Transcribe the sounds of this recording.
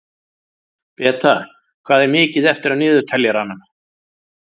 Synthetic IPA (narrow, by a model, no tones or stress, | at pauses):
pɛːt̪ʰa | kʰv̥aːðɛɾmɪːcɪðɛft̪ɪɾaðnɪːðʏɾt̪ʰɛljaɾanːam